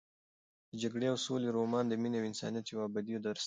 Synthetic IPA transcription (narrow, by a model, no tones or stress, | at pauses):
d̪əd͡ʒaɡɽeawsoleɾomɑnd̪əmineawɪnsɑ̰nijat̪jawɑbad̪ijod̪əɾ